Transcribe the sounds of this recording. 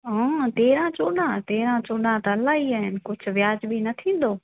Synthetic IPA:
ɦãːt̪eːɾãt͡ʃoːɗãt̪eːɾãt͡ɕoːɗãt̪ɐɐlaːɦiaːɦɪnɪ̆kʊd͡ʑʱʊ̆ʋjaːd͡ʑbinɐt̪ʰĩːn̆d̪oː

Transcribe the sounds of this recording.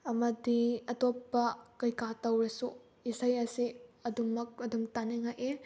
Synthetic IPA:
ɐmɐdiɐtɔpːɐkɐjkatɐwɾɐsu | isajɐsiɐdumɐk̚ɐdumtaneŋajʔe

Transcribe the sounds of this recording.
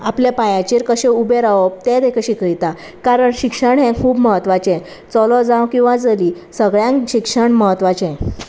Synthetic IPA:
aplepajãt͡ɕiːɾkəɕẽubeɾaʋɔb̚t̪ɛ̃t̪ekəɕikəɭit̪a | kaɾəɳɕikʂəɳɦɛ̃kʰuːbməɦət̪ʋat͡ɕɛ̃ | t͡sɔlɔd͡zãwkĩw̃ʋãd͡zəliː | səɡɭjãkɕikʂəɳməɦət̪ʋat͡ɕɛ̃

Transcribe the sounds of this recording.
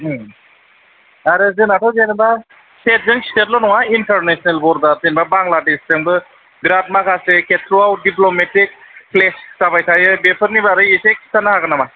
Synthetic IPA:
aɾɯzɯnatʰɔwzenba | set̚zɯŋstet̚lɔnɔŋaintaɾnesnelbɔɾbazenbabaŋladeszɯŋbɯ | ɡɾat̚makʰaseketʰɾuawdiplometik̚plessabajtʰajɯbepʰɯɾnibaɾɯisekʰi̥tanahakɯnama

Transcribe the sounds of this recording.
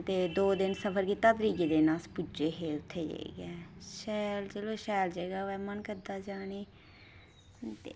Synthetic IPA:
t̪eːd̪oːd̪ɪnsəpʰəɾɡiːt̪aːt̪əɾiːɡeːd̪eːnãːspʊd͡ʒeːɦeːʊt̪ʰːeːd͡ʒḛḛɡɛːʃɛːld͡ʒeloːʃɛːld͡ʒeːɡaːɛːmənkəɾd̪aːd͡ʒaːneː | t̪eː

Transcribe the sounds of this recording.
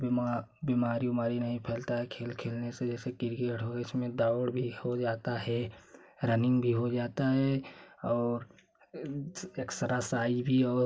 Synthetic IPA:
bimaːɾiomaːɾinɐɦĩpʰɛːlt̪aɦɛkʰeːlkʰeːlnesed͡ʒɛːsekɪɾɡeʈɦoɡɪsmẽd̪aʊɽbʱihod͡ʒaːt̪aɦɛ | ɾənɪ̃ŋɡbʱiɦod͡ʒaːt̪aɦɛɔːɾ | eːksəɾasaːibʱiɔː

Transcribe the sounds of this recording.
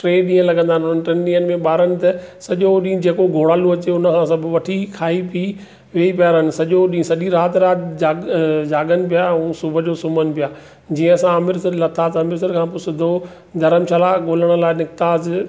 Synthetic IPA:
ʈɾeːɗĩːə̃lɐɠə̃nd̪aːnɦʊn̤ənɪʈɾeːnɗĩːənɪ̆mẽɓaːɾənɪ̆t̪ɐsɐʄoɗĩːd͡ʑeːkoɡʱoːɽaːluɐt͡ɕeʊnəkʰãːsɐbʱʋɐʈʰikʰaːipi | ʋeːipjaːɾənɪ̆sɐʄoɗĩːsɐʄiɾaːt̪ɾaːt̪d͡ʑaːd͡ʑaːɠənɪ̆pijaũsʊbʱəd͡ʑoːsʊmənɪ̆pijaː | d͡ʑĩːə̃ɐsãɐmɪɾsɪɾlɐt̪ʰaːt̪ɐmɪɾsɪɾkʰãːpʊsɪd̪ʱo | d̪ɐɾəmʃʰaːlaːɠoːləɽ̃̆laːɪnɪkt̪aːz

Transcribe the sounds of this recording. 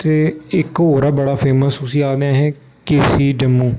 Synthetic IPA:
t̪eːɪkɦoːɾaːbəɽaːpʰeːməsʊsĩːaːd̪eãːɦɛ̃ː | keːsiːɖəmːũː

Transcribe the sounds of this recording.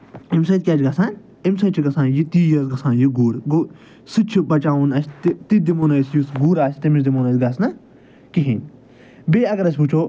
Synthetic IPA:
imsɐ̃nt̪̚ʲkʲaːt͡ʃɡasaːnʲ | imsɐ̃nt͡ʃʰiɡɐsãːnjit̪iːjɐzɡɐsãːnjiɡuːɾɡo | sɨt͡ʃʰibɐt͡ʃaːʋunɐsʲt̪it̪id̪imoːnɐjsjusɡuːɾaːsʲt̪imit͡ʃd̪imoːnɐt̪ʲɡaːsnɐ | kiɦiːnʲ | beːɐɡɐɾɐs̬ʲput͡ʃʰoː

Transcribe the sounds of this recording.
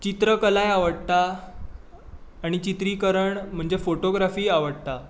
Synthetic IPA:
t͡ɕit̪ɾəkəlajaʋəɽt̪a | ɽ̃it͡ɕit̪ɾiːkəɾəɳm̤əɳd͡ʑefoʈoɡɾafiːaʋəɽt̪a

